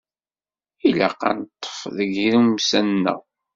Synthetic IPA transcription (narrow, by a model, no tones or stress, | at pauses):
ila̰qɑ̰nt̪ˤːə̥fðəɡɾumsænːə̰w